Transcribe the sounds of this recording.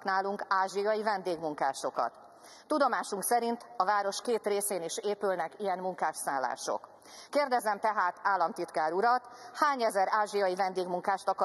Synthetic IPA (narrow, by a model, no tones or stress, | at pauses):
knaːluŋkaːʒijɒjivɛnd̪eːɡmuŋkaːʃo̞kɒ̰t̪ː | ud̪o̞maːʃuŋksɛɾint̪ɒvaːɾo̞ʃkeːt̪reːseːneːʃeːpylnɛkijɛnmuŋkaːʃsaːlːa̰ːʃo̞̰k | kːeːrd̪ɛzɛmt̪ɛɦaːt̪aːlːɒmt̪it̪kaːɾuɾɒt̪haːɲɛzɛɾaːʒijɒjivɛnd̪eːɡmuŋkaːʃt̪ɒk